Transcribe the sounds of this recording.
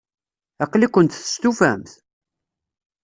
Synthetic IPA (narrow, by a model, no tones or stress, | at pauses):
ɑqlikʷːənt̪θə̥st̪ufæ̰mθ